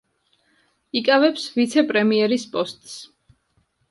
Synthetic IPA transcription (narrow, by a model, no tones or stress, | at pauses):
ikʼavɛpsvit̪sʰɛpʼɾɛmiɛɾispʼɔst̪ʼs